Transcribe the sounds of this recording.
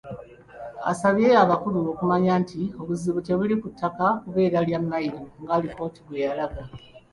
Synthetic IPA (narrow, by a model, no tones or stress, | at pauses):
a̰saβjeaβakuluokumaɲaːntʰio̞βuziβute̞βulikutʰːakakuβe̞ːɾaljamːajiɾoŋɡaːliko̞ːtiβwe̞jalaɡa